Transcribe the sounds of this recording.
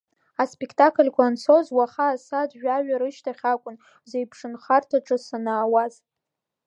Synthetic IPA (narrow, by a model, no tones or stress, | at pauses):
aspʼekʰtʰʼakʰlʲkʷʰaːnt͡sʰo̞zwaχaːsadʒʷᶣaɥᶣaɾɨʃtʰaχʲakʷʼʊn | zejpʰʂɨnχartʰaʈ͡ʂʼɨsanaːwaz